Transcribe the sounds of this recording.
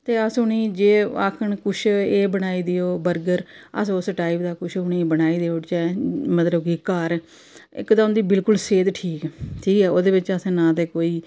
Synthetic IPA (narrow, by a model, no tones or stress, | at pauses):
t̪eːəsʊɳiːd͡ʒeːa̰ːkʰəɳkʊʃʰeːbəɽ̃aːiːd̪ɪjoːbəɾɡəɾə̰sʊsʈaːipd̪aːkʊʃʰʊɳ̃iːbəɽaːiːd̪eːʊt͡ʃɛːmət̪ləbkikaːɾ | ɪ̰kd̪aːʊ̃nd̪iːbɪlkʊlseːd̪ʈʰiːkɛʈʰiːkɛːoːd̪eːbɪt͡ʃəsɛ̃ːnãːt̪eːkoːiː